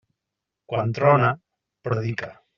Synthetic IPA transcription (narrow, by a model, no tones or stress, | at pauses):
kwant̪ɾɔna | pɾoðika